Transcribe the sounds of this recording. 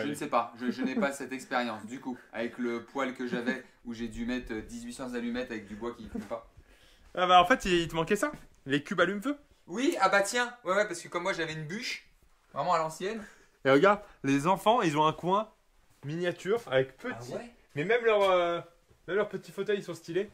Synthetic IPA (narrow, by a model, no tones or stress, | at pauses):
ʒənəsɛpaʒəʒənɛpasɛt̪ɛkspeʁjɑ̃sd̪ykua̰vɛkləpwalkəʒavɛ | uʒed̪ymɛt̪χəd̪izɥisɑ̃zalymɛt̪avɛk̚d̪ybwakʲifɔ̃pa | abaɑ̃fɛt̪iilt̪əmɑ̃kʲɛsalekʲybalymvø | wiabat̪jɛ̃wɛwɛpaʁsə̥kəkɔmːwaʒavɛynbyʃ | vʁɛmɑ̃alɑ̃sjɛn | eʁəɡaʁd̪lezɑ̃fɑ̃ilzɔ̃ɛ̃kwɛ̃ | minjat̪yʁavɛkpət̪iɛ | mɛmɛmlœʁø | mɛmlœʁpət̪ifot̪œjisɔ̃st̪ile